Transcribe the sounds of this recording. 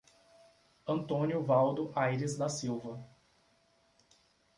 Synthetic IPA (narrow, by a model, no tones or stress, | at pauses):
ɐ̃nt̪õnjʊvawd̪ʊʔajɾɪzd̪ɐsiwvɐ